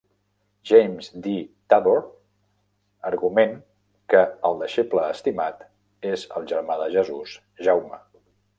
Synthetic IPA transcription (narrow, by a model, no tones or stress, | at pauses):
ʒejmzd̪it̪aðoɾ | əɾɣumeŋ | kəəlˠd̪əʃepləːst̪imat̪ | ezə̰lˠʒəɾmaðəʒəzuz | ʒawmə̰